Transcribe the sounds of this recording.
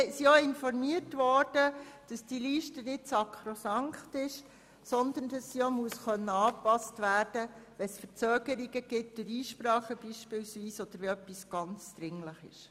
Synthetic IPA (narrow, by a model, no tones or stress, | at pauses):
siɔɪnfɔɾmiətʋɔːɾd̥əd̥ɑsd̥iliːʃtənɪtsɑkʰχɾosɑŋχtɪʃ | sɔnd̪ənd̥ɑsːiɔmuəsχœnːəɑːpɑstʋæːɾd̥əʋɛsfəɾt͡søːɡ̥əɾiɡəɡ̥ɪt̚d̥øɾiːʃpɾɑːχəb̥iːʃpɪlsʋiːsɔd̪̥əɾʋɛœpːisɡ̥ɑnt͡sd̪̥ɾɪŋləχɪ̰ʃ